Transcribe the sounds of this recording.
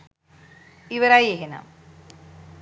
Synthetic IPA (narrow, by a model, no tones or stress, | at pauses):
iʋɐɾajeɦena̰m